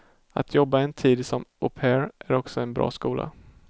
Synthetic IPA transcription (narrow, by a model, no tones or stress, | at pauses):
a̰t̪ʰjɔbːaɛnt̪ʰiːd̪sɔmʊpʰɛɾʔæɾɔksɔɛnbɾʔɑ̰ːskuːlʔa̰